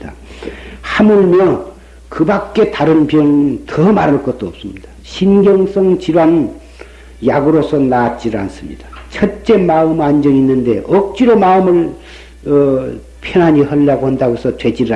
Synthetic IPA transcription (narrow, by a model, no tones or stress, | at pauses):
da | hamɯɭmjʌ | kɯbak̚k͈e̞taɾɯnpjʌŋntʰʌmaɾaɭk͈ʌt̚t͈oʌp̚s͈ɯmɲid̥aɕʰinɡjʌŋs͈ʰʌŋt͡ɕiɾwan | jaɡɯɾosʰʌnaːt̚t͡ɕ͈iɾɯɭans͈ɯmɲid̥at͡ɕʰʌt͡ɕ͈e̞maɯmand͡ʑʌŋinːɯnde̞ʔʌk̚t͡ɕ͈iɾomaɯmɯɭ | ʌ | pʰjʌnɦaɲihʌʎːaɡohandaɡosʰʌtwe̞d͡ʑiɾɯɭ